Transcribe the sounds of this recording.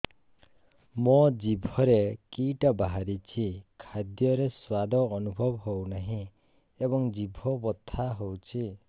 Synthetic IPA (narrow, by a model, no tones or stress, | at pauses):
mɔd͡ʒibʱɔɾekiʈabaɦaɾit͡ʃʰikʰad̪jɔɾeswad̪ɔːnubʱɔbɦownaɦĩ | ebɔŋd͡ʒibʱɔbɔt̪ʰːaɦowt͡ʃʰi